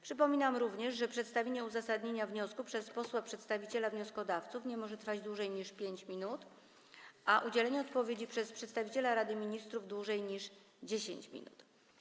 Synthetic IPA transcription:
pʂɘpɔmʲinamɾuvɲɛʐʐɛpʂɛt̪st̪avʲeɲɛuzasad̪ɲeɲavɲɔskupʂɛspɔswapʂɛt̪st̪avʲit͡ɕɛlavɲɔskɔd̪aft̪sufɲɛmɔʐɛt̪ɾfad͡ʑd̪wuʐɛjɲiʂpʲjeɲt͡ɕmʲinut̪ | ʔaʔud͡ʑɛlɛɲɛɔt̪pɔvʲjed͡ʑipʂɛspʂɛt̪st̪avʲit͡ɕɛlaɾad̪ɘmʲiɲist̪ɾuvd̪wuʐɛjɲiʂ | d͡ʑeɕḛɲt͡ɕmʲḭnṵt̪

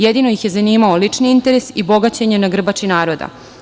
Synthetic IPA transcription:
jed̪ino̞jixje̞zaniːmaolit͡ʂniint̪eɾesibo̞ɡat͡ɕeɲenaɡr̩bat͡ʃinaːɾo̞d̪a̰

